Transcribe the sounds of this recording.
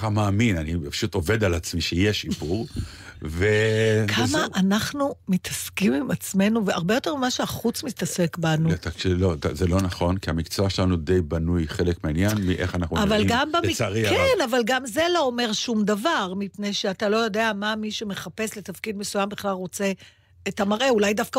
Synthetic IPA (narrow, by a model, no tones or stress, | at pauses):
amaːminanipḁʃut̪o̞ve̞d̪alat͡smiʃejeʃipuʁ | vekʰmaʔːnaχnumitʰaskimimat͡sme̞nuveaʁbejo̞te̞ʁmimaʃeaχut͡smit̪ase̞kbanut̪akʃlotzelo̞naχo̞nkiamikt͡soaʃelanud̪ejbanujχe̞lekmeanjanmiʔḛχanaχnuavalɡambaaʁikenavalɡamze̞lo̞ome̞ʁʃumdavaʁmipne̞jʃeatalo̞jo̞de̞amamiʃeme̞χape̞sle̞tafkidme̞sujambiχlalʁo̞t͡se̞ː | tamaʁʔe̞ulajdafka